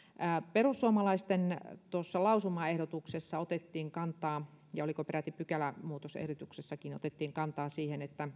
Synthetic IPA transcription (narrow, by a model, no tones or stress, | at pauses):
æperusːuomɑlɑist̪ent̪osːɑlɑusumɑehɾot̪uksesːɑot̪et̪ːiːŋkɑnt̪ɑː | jɑolikopeɾæt̪ːipykælæmuːt̪osḛhdot̪uksesːɑkino̰t̪et̪ːiːŋkɑnt̪ɑːsiːhenet̪ːæ